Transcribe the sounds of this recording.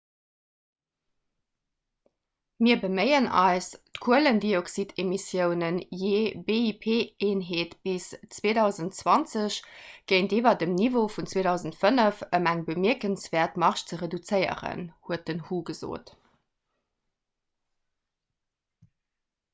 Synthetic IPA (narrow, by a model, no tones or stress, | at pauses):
miːɐbəməɪənɑ̰ɪstkʰuələndioksitʰemisjəʊnənjeːbeːipʰeːeːnɦeːtb̥ist͡sweːdɑʊzəntt͡swɑnt͡səɕɡ̥əɪnteːvɐdəmnivofunt͡sweːdɑʊzəntfənəfəmæŋbəmiɐkənsv̥ɛːɐtmɑʁʃt͡səʁedut͡səɪə̰ʁə̰nhuət̚dənhuːɡəzo̰ːt